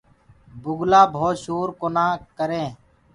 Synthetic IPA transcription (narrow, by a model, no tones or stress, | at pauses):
bʊɡlaːbʱoːt̪ʃuːɾkoːnãːkəɾẽː